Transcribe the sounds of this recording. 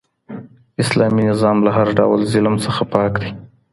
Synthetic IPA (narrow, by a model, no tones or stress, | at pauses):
ɪslɑminɪzɑmlaɦaɾɖa̰wlzɪlmsəxapɑkd̪i